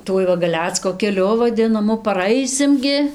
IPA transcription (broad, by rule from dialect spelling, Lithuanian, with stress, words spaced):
ˈtuɔj ʋɐ ɡɐˈlʲæːt͡skoː kʲɛˈlʲʊ ʋɐˈdʲɪnɐmʊ pɐˈrɐɪsʲɪm ɡʲɪ